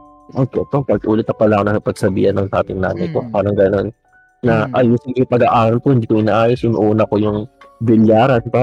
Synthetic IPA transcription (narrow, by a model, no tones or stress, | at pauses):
ʔokɛt̪opɐɡʔuːlɪt̪ɐpɐlaoŋnɐkɐpɐɡ̥̚sɐbḭːhɐnɐŋd̪aːt̪ɪŋna̰ːnɐjkopaːɾɐŋɡɐno̞nː | ɐʔɐjusɪŋɪjpɐɡaʔaːɾɐlpohɪnd̪iːkoʔɪnaʔaːjosʊnʔuːnɐko̞jʊŋbɪljaːɾɐnpa